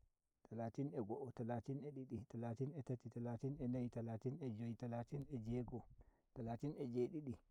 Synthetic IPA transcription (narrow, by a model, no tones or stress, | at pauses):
tʰalatinɛɡɔʔɔtalaːtinɛɗiɗitalaːtinɛtatitalaːtinɛnajtalaːtinɛd͡ʒojtalaːtinɛd͡ʒɛɡɔ | talaːtinɛd͡ʒeːɗiɗi